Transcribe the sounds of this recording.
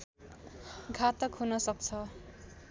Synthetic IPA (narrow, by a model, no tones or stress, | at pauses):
ɡʱat̪ʌkʰunʌsʌk̚t͡sʰʌ